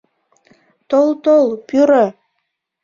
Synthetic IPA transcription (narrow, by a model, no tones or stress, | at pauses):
t̪olt̪olpyɾə